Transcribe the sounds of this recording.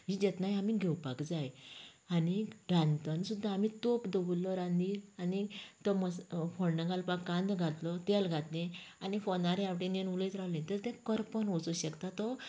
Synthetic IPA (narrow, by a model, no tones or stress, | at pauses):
ɦid͡ʑɛt̪najamiɡʱɛwpakd͡zaj | aniɾãnt̪ənsud̪ʱːaːmit̪opd̪əʋulːɔɾãnd̪iːɾanit̪ɔməsfɔɽnəɡalpakːãnd̪ɡʱat̪lɔt̪ɛlɡʱat̪nẽanifɔnaɾaʋʈẽnenuləjt̪ɾawlent̪əɾt̪ɛ̃kəɾpənɔt͡suɕəkt̪at̪ɔ